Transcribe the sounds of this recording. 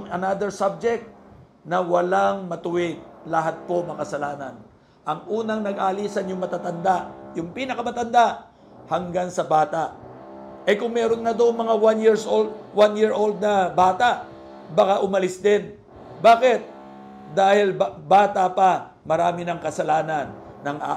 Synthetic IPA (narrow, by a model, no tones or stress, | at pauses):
ŋɐnad̪ɛɹsab̚d͡ʒɛk̚t̪̚ | nɐwɐlaŋmɐt̪ʊwɪd̪̚lɐɦat̪̚po̞mɐkɐsɐlaːnɐ̰n | ʔɐŋʔuːnɐŋnɐɡaɐliːsɐnjʊŋmɐt̪at̪ɐnd̪aʔjʊŋpiːnɐkɐmɐt̪ɐnd̪aʔ | hɐŋɡaŋsɐbaːt̪aʔ | ʔɐkʊŋmɛɾo̞nŋɐd̪oŋmɐŋawanjiɹsʔold̪̚wanjɪɹʔold̪̚nɐbaːt̪aʔ | bɐkaʔʊmɐlɪsd̪ɪn | baːkɪt̪̚ | d̪aːhɪlbaːt̪apa | mɐɾaːmɪnɐŋkɐsɐlaːnɐnːɐŋʔa̰